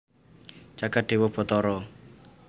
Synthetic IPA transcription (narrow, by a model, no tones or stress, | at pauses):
t͡ʃakatʼɪβɔpʰɔt̪ɔɾɔ